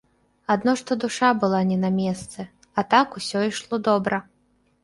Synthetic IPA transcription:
ad̪nɔʂt̪ɔd̪uʂabɨlˠanʲɛnamʲɛst̪sɨ | ɐt̪akusʲɔiʂlˠɔd̪ɔbɾɐ

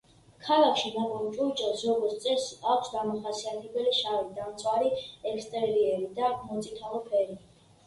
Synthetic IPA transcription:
kʰalˠakʰʃinakʼɔmt͡ʃʼut͡ʃʼɔsɾɔɡɔɾt̪ʰt̪sʼɛsakʷʰsd̪amaχasiat̪ʰɛbɛliʃaɾid̪amt̪sʰwaɾiɛkst̪ʼɛɾiɛɾid̪amɔt̪sʼit̪ʰalɔpʰɛɾi

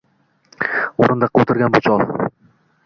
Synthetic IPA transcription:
oɾɨnd̪ɑqowt̪ʰɪɾɡʲanbʊt͡ʃʰɒlˠ

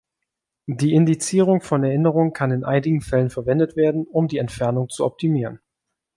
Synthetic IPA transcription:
diːɪndit͡siːʁ̞ʊŋfɔnɛɐʔɪnəʁ̞ʊŋənkʰanɪnʔa̰ɪnɪɡŋ̩fɛlənfɛɐvɛndətv̥eːɐdn̩ʊmdiːɛntfɛɐnʊŋt͡suɔp̚tʰimiːʁən

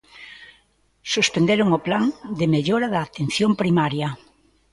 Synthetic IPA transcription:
suspend̪eɾoŋoplaŋd̪ɪmeʎoɾaðaːt̪en̟θjompɾimaɾjɐ

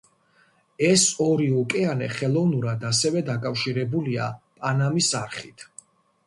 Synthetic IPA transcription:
ɛsɔɾiɔkʼɛanɛχɛlˠɔvnuɾad̪asɛvɛd̪akʼafʃiɾɛbulia̰pʼanamisaɾχit̪ʰ

